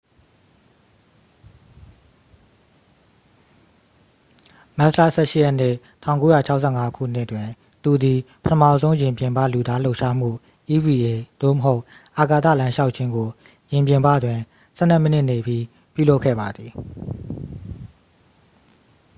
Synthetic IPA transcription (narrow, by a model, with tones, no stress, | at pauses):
ma˦sla̰˦˨sɛ˦˨ʃɪ˦jɛ˦˨n̥ɪ˦˨tʰã˦˨ko˦ja˨t͡ɕʰa˦ʊʔsʰɛ̰˦˨ŋa˦kʰṵ˦˨n̥ɪ˦ʔətwɪ̃˨ | t̪u˨d̪i˨pətʰə˦mä̰˦˨zõ˦ʊ̃jɪ̃˨mpjɪ̃˨mba̰˦˨lu˨d̪a˦l̥o˦ʊʔʃa˦m̥ṵ˦˨ | ʔi˦wi˨e˨d̪̥o̰˦˨mə˨ɦo˦ʊʔ | ʔa˨ka˨t̪ä̰˦˨lã˦ʃa˦ʊʔ̚t͡ɕʰɪ̃˦ŋɡo˨ | jɪ̃˨mpjɪ̃˨mbä̰˦˨dwɪ̃˨ | sɛ˦˨nɛ˦˨mə˦nɪ˦ʔne˨bji˦ | pjṵ˦˨lo˦ʊkʰːɛ̰˦˨ba˨d̪ði˨